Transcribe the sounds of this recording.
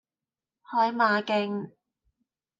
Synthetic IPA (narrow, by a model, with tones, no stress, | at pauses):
hɔː˧jmaː˨˧kɪ˧ŋ